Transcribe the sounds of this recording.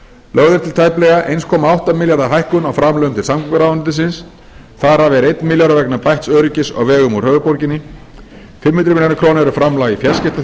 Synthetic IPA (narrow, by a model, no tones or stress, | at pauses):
lœɣðʏɾ̥t̪ʰɪlt̪ʰaːjplɛɣaʔejnskʰɔːmaawht̪amɪljaɾðaɦajhkʏnawfɾamlœɣʏmt̪ɪlsamkvʏɾavant̪ɪs̬ɪns | θaɾavɛɾejt̪nmɪljaɾavɛknapajht̪sœːɾʏcɪsɔ̰ɣvɛːɣʏmu̥hœːvʏpoɾcɪnɪ | fɪmhʏnt̪ɾɪmɪljanɪkʰɾoːnɛɾʏfɾamlaɣifjascɪt̪a